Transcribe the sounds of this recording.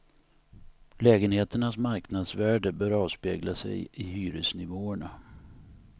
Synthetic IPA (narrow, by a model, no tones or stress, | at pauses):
lɛːɡənheːt̪əɳasmaɾknad̪svæːɖəbœːɾɑːvspḛːɡlasɛ̰jɪɦyːɾəsnɪvoːəɳa